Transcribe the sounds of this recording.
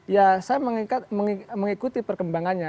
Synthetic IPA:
jasajaməŋiat̪məŋiməŋikut̪ipərkəmbaŋanɲa

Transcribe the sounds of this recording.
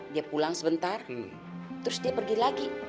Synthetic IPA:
diapulaŋsəbənt̪ar | t̪əɾʊsdiapərɡilaɡi

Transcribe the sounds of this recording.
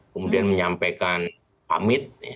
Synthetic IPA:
kəmudianməɲampekan | pa̰mɪt̪̚a

